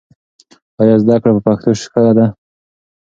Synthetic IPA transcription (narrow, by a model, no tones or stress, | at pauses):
ɑjɑzd̪akɽapəpaxt̪oʃkəlad̪a